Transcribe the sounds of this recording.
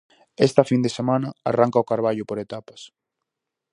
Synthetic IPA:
ɛst̪ɐfind̪esemanɐa̰raŋkaʊkaɾβ̞aʎʊpoɾet̪apɐ̥s

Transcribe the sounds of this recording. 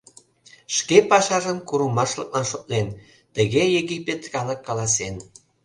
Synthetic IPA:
ʃkepɑʃɑʒəmkuɾumɑʃlək̚lɑnʃot̪̚len | t̪əɣejeɣipʲet̪kɑləkːɑlɑs̬en

